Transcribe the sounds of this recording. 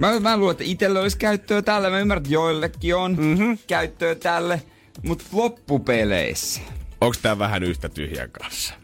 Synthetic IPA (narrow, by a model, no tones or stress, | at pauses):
mæmæluːlːet̪ːæit̪elːeoliskæyt̪ːøːt̪ælːæmæymːæræt̪joilːekːionkæyt̪ːøːt̪ælːe | mut̪lopːupelḛisæ̥oŋkst̪æːʋæhænyht̪æt̪y̰hjæ̰ŋkɑ̰nsːɑ̥